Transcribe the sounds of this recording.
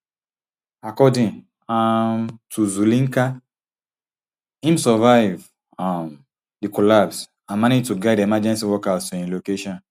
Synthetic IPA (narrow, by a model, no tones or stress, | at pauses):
akɔdĩŋ | amtʰuzulĩŋka | hĩmsɔvaɪv | am | dikɔlabs | ãnmaned͡ʒtuɡaɪdɛmad͡ʒɛ̃nsiwɔkastĩnlokeʃɔ̃n